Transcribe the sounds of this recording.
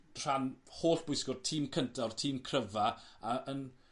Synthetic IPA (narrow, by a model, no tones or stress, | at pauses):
r̥anhoːɬb̥ʊjskʊrtʰiːmkʰəntʰɔrtʰiːmkʰrəvaaʔən